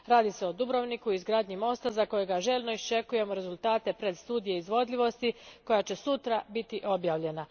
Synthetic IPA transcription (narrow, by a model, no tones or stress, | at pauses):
ɾaːd̪iseod̪ubɾo̞ʋnikuizɡɾaːd̪ɲimo̞ːst̪azako̞jeɡaʒe̞lʲno̞ist͡ʃe̞kuje̞moɾe̞zulˠt̪aːt̪e̞pɾe̞d̪st̪uːd̪ijeizʋo̞d̪ʎʲiʋo̞st̪iko̞jat͡ɕe̞sut̪ɾabit̪iʔo̞bjaːʋʎe̞na